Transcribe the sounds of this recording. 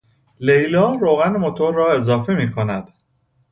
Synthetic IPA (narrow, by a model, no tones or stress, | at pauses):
le̞jlɒːɾoːɣænmot̪ʰo̞ɾːɒːe̞zɒːfe̞miːkʰonæd̪̥